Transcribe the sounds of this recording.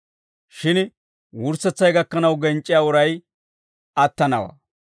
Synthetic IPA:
ʃɪn | wʊɾsɛt͡sːɐjɡɐkːɐnɐwɡɛnt͡ʃʼːɪjaːʊɾɐj | ɐt̪ːɐnɐwɐ̰

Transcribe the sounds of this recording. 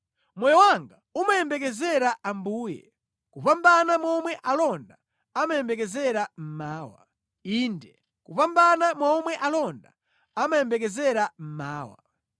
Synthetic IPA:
mɔjɔwaŋɡaumajɛmbɛkɛzɛɾaʔambuːjɛ̰ | kupambanamɔmwɛʔalɔnda | amajɛmbɛkɛzɛɾam̩maːwa | iːndɛ | kupambanamɔmwɛʔalɔnda | amajɛmbɛkɛzɛɾam̩maːwa̰

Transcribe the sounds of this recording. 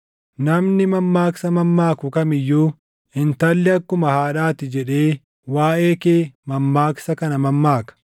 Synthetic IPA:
nɐmnɪmɐmːaːksɐmɐmːaːkʊkɐmɪjːuː | ɪnt̪ɐlːɪɐkːʊmɐhaːᶑaːt̪ɪd͡ʒɛᶑe̞ː | waːʔe̞ːkeːmɐmːaːksɐkɐnɐmɐmːaːkɐ̥

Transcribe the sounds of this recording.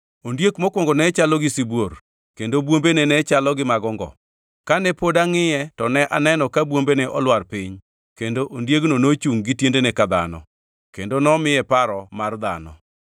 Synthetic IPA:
ondjekmɔkwɔŋɡɔnɛt͡ʃalɔɡɪsibwor | kendobwombenɛnɛt͡ʃalɔɡɪmaɡɔŋɡɔ̰ | kanɛpodaŋɪjɛtɔnɛʔanɛnɔkabwombenɛʔɔlwarpiɲ | kendoʔondjeɡnonot͡ʃuŋɡɪtjendenɛkad̪a̰nɔ̰ | kendonɔmɪjɛpaɾɔmard̪a̰nɔ̰

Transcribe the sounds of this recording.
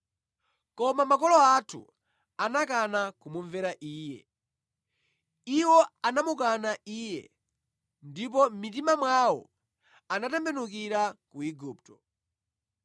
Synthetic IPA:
kɔmamakɔlɔatʰṵ | anak̬anakumuɱvɛɾaʔiːjɛ̰ | iwɔanamukanaiːjɛ̰ | ndip̬ɔm̩mit̬imamwawɔ̰ | anatɛmbɛnuk̬iɾakuiɡuːp̚tɔ

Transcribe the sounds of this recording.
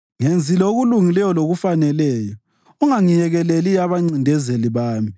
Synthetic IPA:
ŋend͡zʱilaoɣuluŋilɛjɔloɣufanɛlɛːjɔ | uŋaŋijɛɣɛleliaβaŋ͡ǀindʱɛzeliβaːmi

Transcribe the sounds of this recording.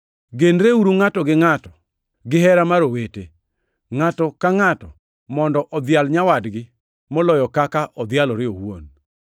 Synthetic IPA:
ɡenɾeuɾuŋatɔɡɪŋatɔ̥ | ɡɪɦɛɾamaɾowete | ŋatɔkaŋatɔ | mɔndɔʔɔd̪ɪalɲawadɡɪ | mɔlɔjɔkakaʔɔd̪ɪalɔɾɪowwo̰n

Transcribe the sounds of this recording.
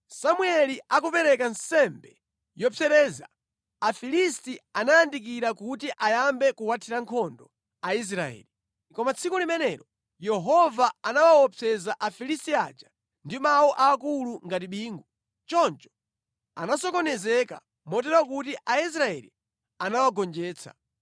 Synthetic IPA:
samuɛliakupɛɾɛkansɛmbɛ | jɔpʰɛɾɛːza̰ː | filistianajandik̬iɾakutiʔajambɛkuwatʰiɾaŋkʰɔndɔ | ais̬ɾaɛ̰li | kɔmat͡sʰikulimɛnɛɾɔ | jɛɦɔvaanawawɔpʰɛzaʔafilistia̰d͡ʒa | ndimawɔʔaːkuluŋɡatiɓiːŋɡu | t͡ʃɔnt͡ʃɔ̥ | a̰nasɔkɔnɛzɛka̰ | mɔt̬ɛɾwak̬utiʔais̬ɾaɛ̰lḭ | anawaɡɔnd͡ʒɛːt͡sʰa̰

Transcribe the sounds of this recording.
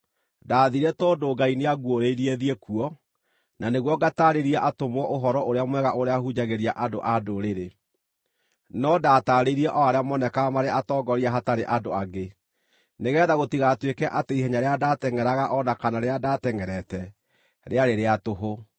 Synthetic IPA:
daːðiɾɛtɔːdoɡaineaɣwoɾeiɾieðiɛkuɔ | naneɣwɔɡataɾeɾiaʔatomwɔʔoɦɔɾɔʔoɾeamwɛɣaʔoɾeahud͡ʑaɣeɾiaʔado̰ʔadoɾeɾe | nɔdaːtaɾeɾiɛʔɔaɾeamɔnɛkamaɾeʔatɔːɡɔɾiaɦataɾeʔadoaɡe | neɣɛːðaɣotiɣatwekɛʔateiɦɛɲaɾeadatɛŋɛɾaɣaʔɔnakanaɾeadatɛŋɛɾɛtɛ | ɾeaɾeɾeatoɦo

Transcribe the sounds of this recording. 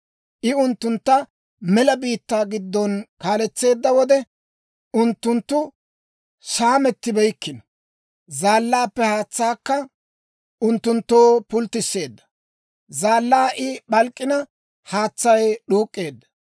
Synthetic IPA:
ʔɪʊnt̪ːʊnt̪ːɐ | mɛlɐbiːt̪ːaːɡɪd̪ːɔnkaːlɛt͡sːe̞ːd̪ːɐwɔd̪ɛ | ʊnt̪ːʊnt̪ːʊ | saːmɛt̪ːɪbɛjkːɪnɐ | zaːlːaːpːɛhaːt͡sːaːkːɐ | ʔʊnt̪ːʊnt̪ːo̞ːpʊlt̪ːɪsːe̞ːd̪ːɐ̥ | zaːlːaːʔɪɓɐlkʼːɪnɐ | haːt͡sːɐjɗuːkʼːe̞ːd̪ːɐ̥

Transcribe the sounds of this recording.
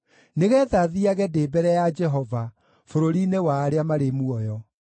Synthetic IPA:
neɣɛðaðiaɣɛdeːbɛɾɛjad͡ʒɛɦɔva | foɾoɾinewaːɾeamaɾemuɔjɔ

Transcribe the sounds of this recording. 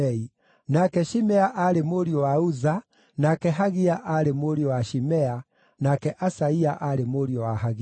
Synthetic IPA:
ɛi | nakɛʃimɛaʔaɾemoɾiɔwauza | nakɛɦaɣiaʔaɾemoɾiɔwaʃimɛa | nakɛʔasaiaʔaɾemoɾiɔwaɦaɣi

